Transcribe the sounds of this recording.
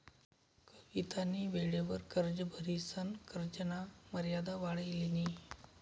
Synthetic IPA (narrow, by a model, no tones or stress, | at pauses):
kəʋit̪aniːʋeɭeʋəɾkəɾd͡ʑəbʱəɾisənkəɾd͡ʒənaməɾjad̪aʋaɭəjleni